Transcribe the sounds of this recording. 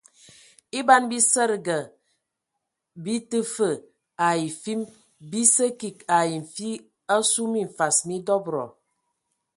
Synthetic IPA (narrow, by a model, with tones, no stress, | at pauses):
i˦ba˦nbi˦sə˦ɾɡə˨ | bi˦tə˦fə˨ | a˨ji˨fi˦m | bi˦sə˦ki˨ka˨ji˨ɱ̩˨fi˦ | ə˦su˦mi˦ɱ̩˨fa˨smi˦dɔ˦bɾɔ̰˨